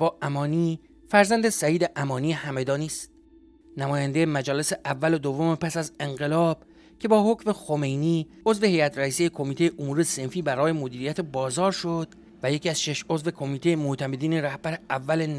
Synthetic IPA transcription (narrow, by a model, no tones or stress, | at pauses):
bɒːʔæmɒːniː | fæɾzænd̪esæiːd̪e̞ʔæmɒːniːehæme̞d̪ɒːniːst̪ | næmɒːjænd̪ejemæd͡ʒɒːle̞se̞ʔævːælod̪ovːo̞mepʰæsæze̞ŋɢe̞lɒːb̥ | cʲʰe̞bɒːho̞cʰme̞xo̞me̞jniː | o̞zve̞hejæt̪ɾæiːsejekʰo̞miːt̪ejeʔomuːɾe̞se̞nfiːbæɾɒːje̞mod̪iːɾijæt̪ʰe̞bɒːzɒːɾʃod̪̥ | væjecʰiæz̥ʃe̞ʃo̞zve̞kʰo̞miːt̪e̞jemoht̪ʰæmed̪iːne̞ɾæhb̥æɾeævːælen